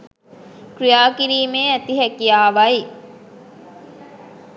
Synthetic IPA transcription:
kɾijaːkiɾiːmeːæt̪iɦækijaːʋaj

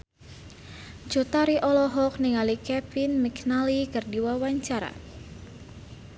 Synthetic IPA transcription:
d͡ʒut̪aɾiʔɔlɔɦɔk̚niŋalikɛpinmiknalikɨrdiwawaɲt͡ʃaɾa̰

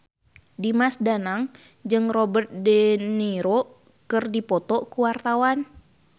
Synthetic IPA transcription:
dimasdanaŋ | d͡ʒɨŋrɔbərt̪̚dɛniɾo | kɨrdipɔt̪ɔkuwart̪awan

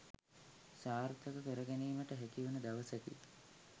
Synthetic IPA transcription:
saːɾt̪ʰəkəpeɾəɡæniːməʈəɦækiʋunəd̪aʋəsək̪ḭ

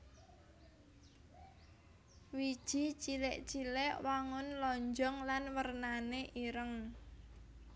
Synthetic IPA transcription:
wid̥ʒ̥i̤t͡ʃilɪʔt͡ʃilɪʔwaŋʊnlɔɲd͡ʒɔŋlanwərnaneʔiɾəŋ

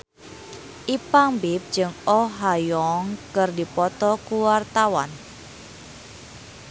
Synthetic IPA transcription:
ʔipaŋbip̚d͡ʒɨŋɔɦajɔŋkɨrdipɔt̪ɔkuwart̪awa̰n

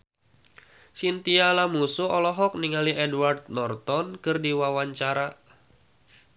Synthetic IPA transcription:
sint̪ialamusuɔlɔɦɔk̚niŋaliʔɛduwart̪̚nɔrt̪ɔnkɨrdiwawaɲt͡ʃaɾa

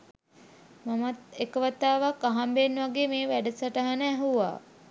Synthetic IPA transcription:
mamat̪̚ekəʋat̪aːʋakaɦambenːʋaɡeːmeːʋæɖəsaʈəɦanəæɦuʋa̰ː

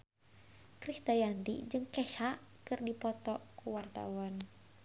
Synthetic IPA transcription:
kɾist̪ajant̪ḭd͡ʒɨŋkɛʃakɨrdipɔt̪ɔkuwart̪a̰wan

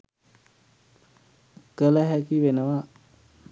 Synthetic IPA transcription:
ɡələɦækiʋenəʋa

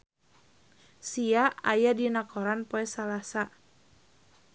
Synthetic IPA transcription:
siaajadinakoɾanpoɛsalasa

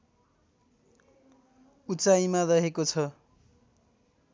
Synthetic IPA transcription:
ut͡sajmaɾʌɦekot͡sʰʌ

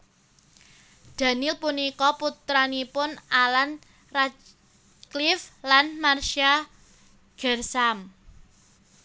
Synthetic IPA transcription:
d̪̥ä̤nɪlpunikɔput̪ɾanipʊnalan | ra | kliflanmarʃa | ɡ̥ɛrsam

